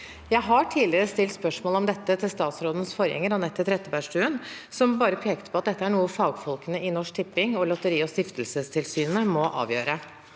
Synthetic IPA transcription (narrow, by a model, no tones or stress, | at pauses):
jæɪɦɑʈʰiːlɪɾəst̪ɪlt̪spœʂmoːləɔmd̪ɛt̪ːət̪ʰɪlst̪ɑːt̪sɾoːd̪ənsfɔɾjɛ̰ŋːəɾɑnɛt̪ʰːɪlt̪ʰɾɛt̪ːəpæʂʈʉːən | sɔmbɑːɾəpʰeːkət̪pʰɔɑt̪d̪ɛt̪ːəæɳuːəfɑːɡfɔlkənəɪnɔʂk̚t̪ʰɪpːɪŋɔlɔt̪əɾiːɔst̪ɪft̪əlsəst̪ʰɪlsyːnəmɔʔɑ̰ːʋjø̰ːɾə